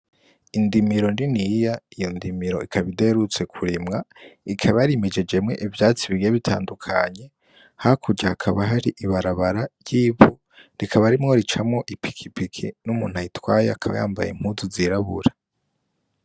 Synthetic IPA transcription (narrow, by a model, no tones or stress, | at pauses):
indimiɾo̞ndinijaijo̞ndimiɾo̞ikʰaβide̞ɾut͡se̞kʰuɾimŋaikʰaβaɾime̞d͡ʒe̞d͡ʒe̞mŋe̞̰ʔivjaːt͡siβiɡeβitʰa̰ːndukʰaɲe̞ | hakʰuɟaːkʰaβaɦaɾiʔiβaɾaβaɾajiβu | ɾikʰaβaɾimŋo̞ɾit͡ʃamŋo̞ʔipʰi̥kʰipikʰḭnumuːn̥hajitwaːjeakʰaβa̰ja̰ːmba̰jḛm̥huzuziɾaβṵɾa